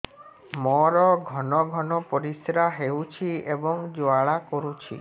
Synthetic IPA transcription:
mɔɾɔɡʱɔnɔɡʱɔnɔpɔɾisɾaɦewt͡ʃʰiebɔŋd͡ʒoaɭakɔɾut͡ʃʰḭ

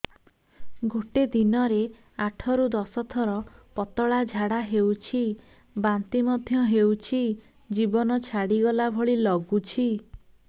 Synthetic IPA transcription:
ɡʱoʈed̪inɔɾe | aʈʰɔɾud̪ɔsɔt̪ʰɔɾɔpɔt̪ɔɭad͡ʒʱaɽaɦewt͡ʃʰi | bant̪imɔd̪ʱjɔɦewt͡ʃʰi | d͡ʒibɔnɔt͡ʃʰaɽiɡɔlabʱɔɭilɔɡut͡ʃʰi

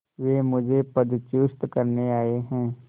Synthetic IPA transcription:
ʋeːmʊd͡ʒʱepəd̪t͡ʃʊst̪kɐɾneaːeɦɛ̃ː

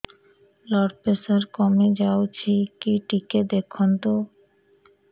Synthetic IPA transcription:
lɔɽpesaɾkɔmed͡ʑawt͡ɕʰikiʈiked̪ekʰont̪o

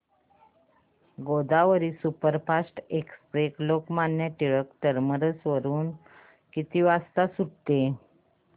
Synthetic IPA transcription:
ɡod̪aʋəɾiːsupəɾpasʈekspɾeklokmanjət̪iɭəkʈəɾməɾəsʋəɾuːn | kit̪iːʋast̪asuɽt̪e

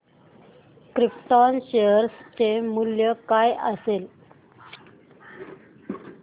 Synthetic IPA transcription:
kɾip̚ʈɔnɕejəɾst͡ɕemuljəkajə̰sel

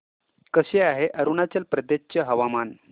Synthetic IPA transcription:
kəɕeaɦeʔəɾunat͡ɕəlpɾəd̪et͡ɕəɦəʋaman

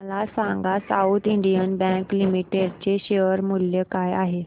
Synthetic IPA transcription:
lasãŋɡasaut̪iɳɖijənbɛ̃ŋklimiʈeɖt͡ɕeɕeʋəɾmuljəkajaɦe

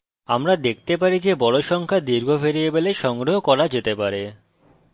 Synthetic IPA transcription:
amɾad̪ek̚ʰt̪epaɾid͡ʑebɔɽoʃɔŋkʰad̪iɾɡʱofeɾiebeleʃɔŋɡɾoɦokɔɾad͡ʑet̪epaɾe

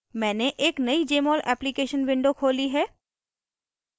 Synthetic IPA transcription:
mɛ̃ːneʔeːknɐid͡ʒeːmɔːlʔɛːplikeːʃənʋɪ̃ɳɖokʰoːliɦɛː

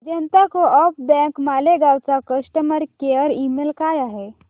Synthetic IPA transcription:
d͡ʒənt̪akoʔəp̚bɛ̃kmaleɡawt͡sakəsʈəməɾkeəɾimelkajaɦe

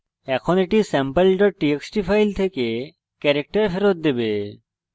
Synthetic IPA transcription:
ɛkʰɔneʈisɛmpelʈɔʈieksʈipʰajlt̪ʰeke | kɛɾek̚ʈaɾpʰeɾot̪̚d̪ebe

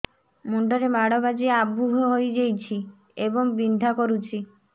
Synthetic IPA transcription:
muɳɖɔɾemaɽɔbad͡ʒieabːuɦɔɦojd͡ʒejt͡ʃʰi | ebɔŋbind̪ʱakɔɾut͡ʃʰi

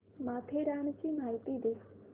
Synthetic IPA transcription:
maːt̪ʰeɾaːnt͡ʃimaːit̪id̪eː

